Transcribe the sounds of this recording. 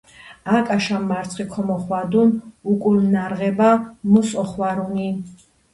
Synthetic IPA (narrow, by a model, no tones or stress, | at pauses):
akʼaʃamːaɾt̪sʰχikʰɔmɔχwad̪unukʼulnaɾʁɛbamɔsɔχwaɾuni